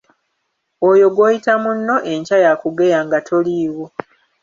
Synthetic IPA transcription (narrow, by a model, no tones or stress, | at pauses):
ojo̞ɡwoːjitamunːo̞ʔe̞ɲcajakuɡe̞jaːŋɡatʰo̞liːwo